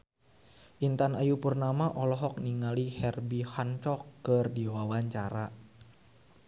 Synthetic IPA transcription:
ʔint̪anajupurnamaʔɔlɔɦɔk̚niŋalihɛrbihant͡ʃɔkːərdiwawaɲt͡ʃaɾa

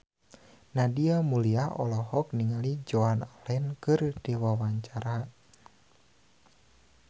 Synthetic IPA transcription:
nadiamuliaɔ̰lɔɦɔk̚niŋalid͡ʒɔanalɛnkɨrd̥iwawaɲt͡ʃaɾa

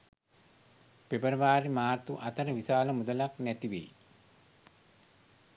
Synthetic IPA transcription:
pebəɾəʋaːɾimaːrt̪uʔat̪əɾəʋisaːləmud̪əlaknæt̪iʋḛj

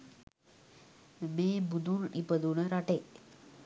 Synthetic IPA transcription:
meːbud̪unipəd̪unəɾaʈe

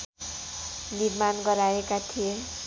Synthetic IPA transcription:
niɾmanɡʌɾaekat̪ʰije

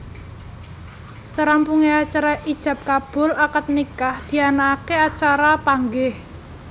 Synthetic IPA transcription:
səɾampuŋeat͡ʃaɾaʔid̥ʒ̥ä̤p̚kab̥ʊ̤lakət̪̚nikahd̪̥i̤anakeat͡ʃaɾapaŋɡɪh

